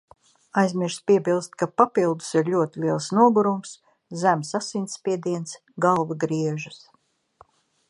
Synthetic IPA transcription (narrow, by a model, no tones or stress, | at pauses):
ajzʲmʲiɾʃspiɛbilˠst̪̚kapapilˠd̪u̥siɾlʲuɔt̪iliɛlˠsnuɔɡuɾums | zæmsasinʲt̪sspʲiɛd̪iɛns | ɡalˠvɨɡɾiɛʒɨs